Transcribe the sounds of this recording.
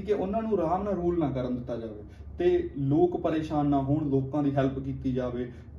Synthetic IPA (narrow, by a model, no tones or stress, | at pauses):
keʔʊnãːnũːɾaːmnãːɾuːlnãːkəɾənd̪ɪt̪ːaːd͡ʒaːʋeː | t̪eːloːkpəɾeːʃaːnːãːɦʊɳloːkãːd̪iːɦɛlpkiːt̪iːd͡ʒaːʋeː